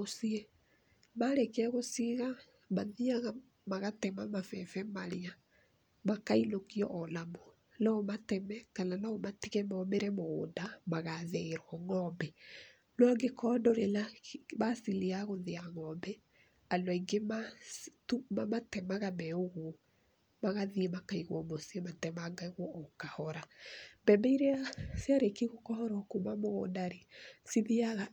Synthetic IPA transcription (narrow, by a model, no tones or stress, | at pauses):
osiɛ | maɾekɛɣosiɣa | maðiaɣa | maɣatɛmamafɛfɛmaɾea | makainokiɔʔɔlamo | naɔmatɛmɛkananaɔmatiɣɛmɔmeɾɛmoːndamaɣaðɛɾwɔŋɔmbɛ | nwaŋɡekʰɔndɔɾelaβasileaɣoðeaŋɔmbɛ | andɔiŋɡematumamatɛmaɣamɛoɣu | maɣaðiemakaiɣwɔmosiematɛmaŋɡaiɣwɔʔːkahɔɾambɛmbɛiɾeasjaɾekiɣokɔhɔɾɔkumamoɣo̰ndaɾesiðiaɣa